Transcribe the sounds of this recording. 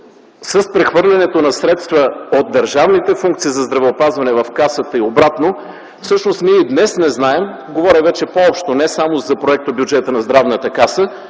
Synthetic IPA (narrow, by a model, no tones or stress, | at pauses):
sɐspɾɛxvɤɾlʲɛnɛt̪onɐsɾɛt̪st̪vəod̪̚d̪ːəɾʒavnit̪ɛfuŋkt̪siːzɐzd̪ɾɐvɛopazvɐnɛvɐfkasət̪əiobɾat̪no | fsɤʃnost̪miid̪nɛsnɛznaɛm | ɡovɔɾʲɛvɛt͡ʃɛpoɔpʃt̪onɛsamozɐpɾoɛk̚t̪objud͡ʒɛt̪ənɐzd̪ɾavnət̪əkasə